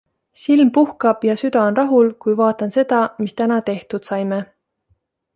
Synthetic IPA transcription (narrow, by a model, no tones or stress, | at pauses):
silmpuhkɑb̥jɑsyd̪ɑonrɑɦulkujvɑːt̪ːˑɑnse̞d̪̥ɑmist̪ænɑt̪e̞ht̪ud̪̥sɑjme